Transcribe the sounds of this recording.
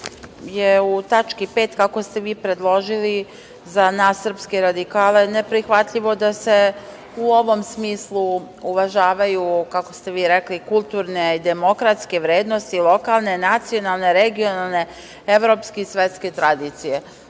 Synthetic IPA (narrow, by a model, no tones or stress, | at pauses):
jeut̪at͡ʃkipe̞ːt̪kako̞st̪e̞ʋiːpɾe̞d̪lˠo̞ʒili | zanasːr̩pskeɾad̪ikaːle̞nepɾixʋat̪ʎiʋo̞d̪ase̞ | uo̞ʋo̞msmiːslˠu | uʋaʒaːʋajukako̞st̪e̞ʋiːɾeklikulˠt̪uɾne̞id̪e̞mo̞kɾat̪skeʋɾe̞ːd̪no̞st̪ilˠo̞kalˠne̞nat̪sio̞nalˠne̞ɾeɡio̞nalˠne̞ | eʋɾo̞ːpskeisʋe̞t̪ske̞t̪ɾad̪iːt̪sije̞